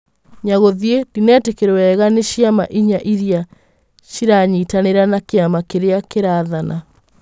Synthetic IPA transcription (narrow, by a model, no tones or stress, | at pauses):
ɲaɣoðiedinɛːtekeɾɛwɛɣaneɕiama̰ʔiɲaʔiɾia | ɕiɾaɲiːtaneɾanakeamakeɾeakeɾaðanʔa